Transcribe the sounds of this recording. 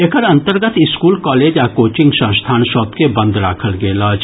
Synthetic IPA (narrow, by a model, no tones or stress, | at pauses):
ekʰəɾɐ̃nt̪əɾɡət̪ɪskuːlkɔːleːd͡ʒaːkoːt͡ʃɪ̃ŋɡʃɐ̃ːst̪ʰaːnʃɔːt̪kebɐ̃nd̪ɾa̰ːkʰəlɡeːlaːd͡ʒ